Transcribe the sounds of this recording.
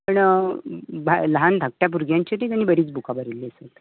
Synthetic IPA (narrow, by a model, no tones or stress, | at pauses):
pəɳ | bʱaləɦand̪ʱak̚ʈjap̬uɾɡʱjaɲt͡ɕit̪iːt̪añːiːbəɾiːt͡sbukabəɾilːiəsət̪